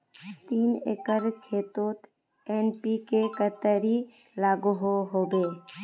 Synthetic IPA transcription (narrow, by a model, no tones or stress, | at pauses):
t̪iːnḛːkəɾkʰeːt̪oːt̪ | eːnpikekət̪əɾi | laːɡuɦoɦoːbeː